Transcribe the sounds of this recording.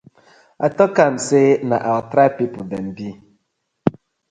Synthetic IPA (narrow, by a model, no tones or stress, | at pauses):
a̰tɔkamsenaʔaltɾapipudɛnbi